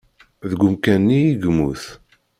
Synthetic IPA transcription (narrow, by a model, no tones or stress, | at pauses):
ðəɡʷʊmkænːiːɡmuθ